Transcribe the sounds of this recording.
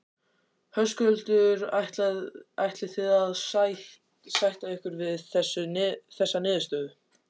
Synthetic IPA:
hœskʏœlt̪ʏɾaht̪laajht̪lɪθɪːðaðsaht | sajht̪aɛhkʏɾvɪðθɛsːʏθɛsːanɪːðʏst̪œːðʏ

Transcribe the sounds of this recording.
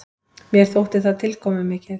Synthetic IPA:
mjɛɾ̥θowht̪ɪ̥θaðt̪ʰɪlkʰɔːmɪmɪːcɪθ

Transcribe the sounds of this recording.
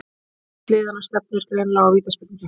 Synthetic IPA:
klɪːðanast̪ɛp̚nvɛɾ̥kalejnlaɣawviːt̪aspɪt̪iŋcɪ

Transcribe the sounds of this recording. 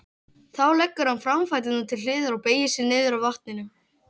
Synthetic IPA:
θawlɛkːʏɾ̥hanfɾamfajt̪ɪnnat̪ʰɪlɪːðʏɾawpeːjɪsɪnɪːðʏɾawvaht̪̚nɪnʏ

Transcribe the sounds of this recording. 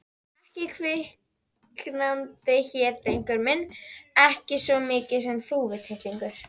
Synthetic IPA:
ɛhcɪkʰvɪh | knant̪ɪçɛːɾt̪ejŋkʏɾmɪnːɛhcɪsvɔmɪːcɪðs̬ɛmθuːvɪt̪ʰɪht̪liŋkʏɾ̥

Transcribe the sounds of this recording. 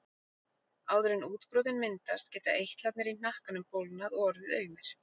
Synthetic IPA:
aːwðʏɾɪnuːt̪pɾowðɪnmɪnt̪aɾ̥scɛːt̪a̰ʔejht̪lat̪nɪɾin̥ahkanʏmpowlnaðɔɔɾðɪðœːɥmɪɾ̥

